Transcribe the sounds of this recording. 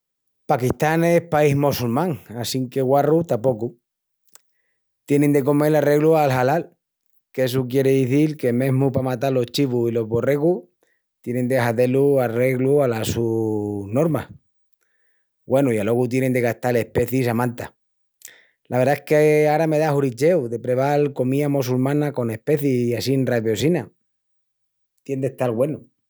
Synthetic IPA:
pakit̪ane̞hpaiɦmosulmãŋasiŋke̞ɣwarut̪apo̞ku | t̪je̞nend̪e̞ko̞me̞lare̞ɣlualɦalal | kes̬ukje̞ɾeðiθilke̞mẽ̞ɦmupamat̪alo̞ht͡ʃiβuilo̞ɦβo̞re̞ɣu | t̪je̞nẽ̞nd̪eɦaðe̞luare̞ɣlualasuno̞ɾma̰ | ɡwe̞nuialo̞ɣut̪̬jene̞nd̪e̞ɣaht̪ale̞hpe̞θisamãnt̪a | lʔaβeɾðaehkeaɾame̞ð̞aɦuɾit͡ʃe̞wðe̞pɾe̞β̞alko̞miamosulmãnako̞ne̞hpe̞θiiasinraβjo̞sina | t̪je̞nd̪e̞ht̪alɣwe̞nu

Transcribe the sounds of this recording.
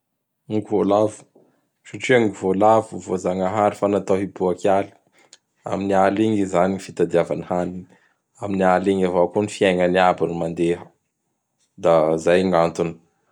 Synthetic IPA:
ukuvolavu̥ | saʈ͡ʂiaŋivolavuvozaŋaɦaɾifanat̪aɦibuakali̥ | a̰minialiŋizaniifit̪ad̪iavanihani | aminialiŋavakunifiajŋəniabanimand̪eɦə | d̪azajŋant̪uni̥

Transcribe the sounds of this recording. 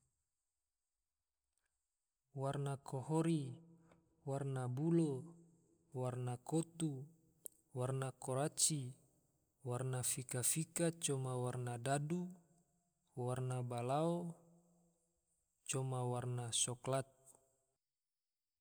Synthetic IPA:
warnakʰɔhɔɾi | warnabulo | warnakot̪u | warnakɔɾat͡ʃi | warnafikafikat͡ʃɔmawarnadadu | warnabalao | t͡ʃɔmawarnasɔklat̪̚

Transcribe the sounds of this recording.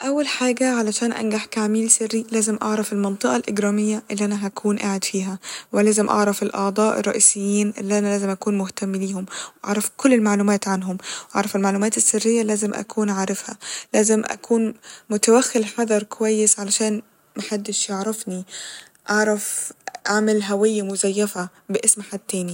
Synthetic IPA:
ʔæwːælħaːɡæʕalæʃæːnʔæ̰nɡaħkaʕmiːlsɪrːilæːzemʔɑʕɾˤɑfelmɑnt̪ˤɨʔɑlʔeɡɾɑːmɪjːæʔelːiːʔænæɦækʰuːnʔaːʕed̪fiːɦæwɪlæːzemʔɑ̰ʕɾˤɑfelʔɑʕd̪ˤɑːʔḛrˤːɑʔiːsejːiːnʔelːiʔænælæːzemʔækuːnmʊht̪æmːliːhomwʔɑ̰ʕɾˤɑfkolːelmaʕluːmæːt̪ʕanɦʊmwʔɑ̰ʕɾˤɑfɪlmaʕluːmæːt̪ɪsːɪrːɪjːalæːzɪmʔa̰kʰuːnʕaːɾˤɪfhæ̰læːzɪmʔa̰kʰuːnmʊt̪awaxːɪlħɑd̪ˤɑɾˤkʊwæjːɪsʕalaʃæːn | maħad̪ːɪʃjaʕɾˤɑfni | ʔɑʕɾˤɑfʕamalɦawɪjːamʊzæjːafa | bɪʔɪsmħad̪̚t̪ːæːni

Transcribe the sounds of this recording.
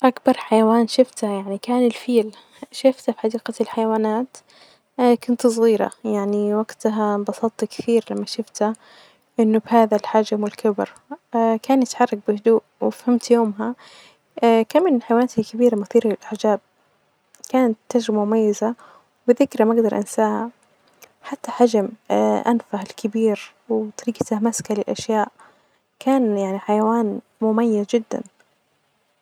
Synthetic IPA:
ʔakbɑɾˤħajawaːnʃɪft̪hajaʕnikaːnɪlfiːl | ʃɪft̪afiħad̪iːqalħajawaːnaːt̪ː | kʊnt̪sˤɣiːɾa̰jaʕniwaɡt̪aɦabɑsˤɑt̪ˤːkɪ̥θiːɾlamːaʃʊft̪ha | ʔɪnːʊbhaːðalħad͡ʒmwɪlkɪbɪɾ | kaːnjɪt̪ħɑrˤːɑk̚bɪhʊd̪uːʔwɪfhamt̪joːmɦa | kamːɪnħajwaːnaːt̪hakɪbiːɾamʊθiːɾalɪlʔaħd͡ʒaːb̚ | kaːnat̪ːad͡ʒɾɪbamʊmajːɪza | bɪðɪkɾamaɡd̪ɑɾˤʔɪ̰nsaːha | ħat̪ːaħad͡ʒmʔanfahɪlkʰɪbiːɾ | wt̪ˤɑɾiːɡat̪ahmaskalɪlʔaʃjaːʔ | kaːnjaʕniħajawaːn | mʊmajːazd͡ʒɪd̪ːa̰n

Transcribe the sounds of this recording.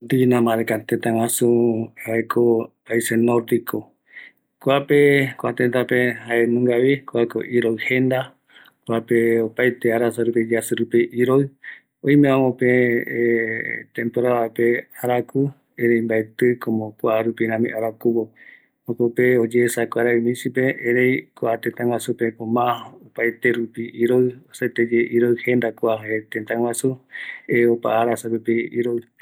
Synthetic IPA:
d̪inãmãɾekat̪et̪ãwãsuaekʰopaisenoɾd̪ikʰo | kwapekoat̪ent̪apehaenũŋɡaβikoako̰ʔiɾoɨhend̪a | kwapeopajt̪eaɾasaɾupid͡ʒeasɨɾupiʔiɾoɨ | õjmẽãmõpe | t̪ẽmpoɾaβapeaɾaku | eɾejmbaet̪ɨkʰõmõkʷaʔaɾupiɾãmḭ̃ʔaɾakuβo | okopeod͡ʒeːsakʷaɾaumĩt͡ʃipeʔeɾejkoat̪et̪ãŋwasupepõmãopajt̪e̞ɾupiʔiɾoɨoset̪ed͡ʒeʔiɾoɨhẽ̞nd̪akoaet̪ẽnt̪ãŋwasueopa̰aɾasaɾupiḭɾoɨ

